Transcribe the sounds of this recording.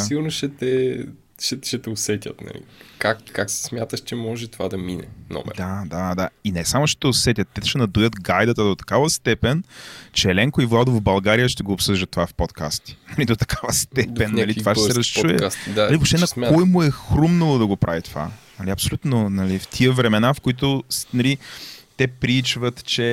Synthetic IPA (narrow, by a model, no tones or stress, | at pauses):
iɡʊɾnoʃɛt̪ɛ | ʃɛʃɛt̪ɛosɛt̪ʲə̰t̪nɐ̰lḭkakːaksɛ̥smʲjat̪əʃt͡ʃɛmɔʒɛt̪ovad̪ɐminɛ̰nɔ̰m̰d̪ad̪ad̪ainɛsamʊʃɛ̥t̪ɛosɛt̪ʲət̪ːɛd̪ʃɛnɐd̪ujət̪ɡajd̪ət̪əd̪ot̪ɐ̥kavəst̪ɛpɛnt͡ʃɛːlɛŋkoivlˠad̪ovbɐlˠɡaɾijəʃt̪ɛɡoːpsɤʒd̪ət̪ːovafpot̪ka̰st̪i̥nɐlid̪ot̪ɐ̥kʰavəst̪ɛp̪ɛnːɐlit̪ovaʃɛsɛɛɾɐst͡ʃuɛ̰ast̪naɐlivopʃt̪ɛnɐkɔjmʊɛxɾumnɐlˠod̪ɐɡopɾʔa̰vit̪ova̰nɐliɐpsolʲut̪nonɐlift̪ʰiəvɾɛmɛnafkoit̪onɐlit̪ɛpɾit͡ʃvət̪t͡ʃɛ